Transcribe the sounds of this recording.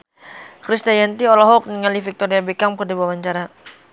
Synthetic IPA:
kɾist̪ajant̪iɔlɔɦɔk̚niŋalifik̚t̪ɔɾiabekamkədibawaɲt͡ʃaɾa

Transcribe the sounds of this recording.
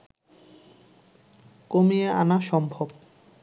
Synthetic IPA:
komiea̰naʃɔmbʱob

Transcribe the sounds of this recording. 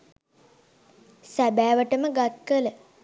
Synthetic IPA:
sæbæːʋəʈəməɡat̪̚kələ

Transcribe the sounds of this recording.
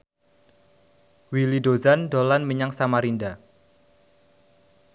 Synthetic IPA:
wilidozandolanməɲaŋsamaɾinda

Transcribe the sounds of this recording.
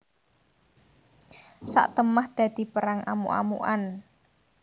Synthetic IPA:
sa̰ʔt̪əmahd̪̥ä̤d̪̥i̤pəɾaŋʔamṵʔa̰mṵʔan

